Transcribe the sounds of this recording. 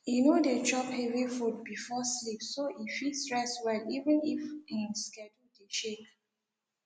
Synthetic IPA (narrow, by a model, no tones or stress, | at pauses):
inodetɹɔphɛvifud̚bifɔslipsoifistɹɛswɛlivə̃nifĩnskɛdudeʃek